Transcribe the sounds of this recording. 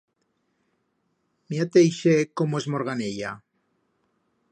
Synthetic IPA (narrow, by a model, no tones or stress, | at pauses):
miat̪ejʃekomoezmoɾɣaneʎa